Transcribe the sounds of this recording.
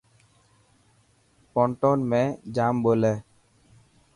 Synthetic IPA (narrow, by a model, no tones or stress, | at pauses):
pɔɳʈɔnmɛd͡ʒambolɛ